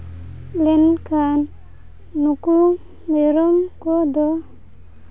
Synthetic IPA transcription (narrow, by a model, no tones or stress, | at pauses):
lenkʰanː | uku | meɾɔmkɔd̪ɔ